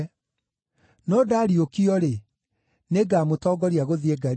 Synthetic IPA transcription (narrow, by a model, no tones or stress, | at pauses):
nɔdaːɾiokiɔɾe | neɡaːmotɔːɡɔɾiaɣoðieɡa